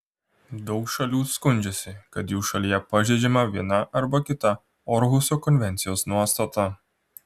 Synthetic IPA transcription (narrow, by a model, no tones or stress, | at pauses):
d̪ɔwʃɐlʲjuskʊnʲd͡ʒɛsʲɪkɐd̪juʃɐlʲjapɐʒʲɛd͡ʒʲɛmɐʋʲiɛnaʔɐɾbɐkʲɪt̪a | ɔɾɦusʲɔkɔnʲʋʲɛnʲt̪sʲijosnuɔst̪ɐt̪a